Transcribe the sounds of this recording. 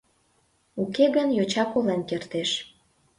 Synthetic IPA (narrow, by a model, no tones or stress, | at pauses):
ukeɣənjot͡ɕɑkolenkert̪eʃ